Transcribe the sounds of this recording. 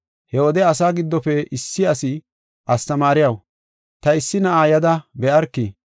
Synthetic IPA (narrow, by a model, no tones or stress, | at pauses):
hɛwɔd̪ɛɐs̬aːɡɪd̪ːɔfɛɪsːɪɐsɪ | ʔɐst̪ɐmaːɾɪjɐw | t̪ɐɪsːɪnɐʔaːjɐd̪ɐbɛʔɐɾkːi